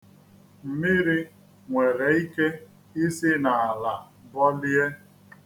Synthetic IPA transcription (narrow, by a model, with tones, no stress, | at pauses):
m̩˨mɪ˦ɾi˦ | ŋʷe˨ɾe˨i˦ke˦ | i˦sɪ˦na˨a˨la˨ | bɔ˦li˦e˦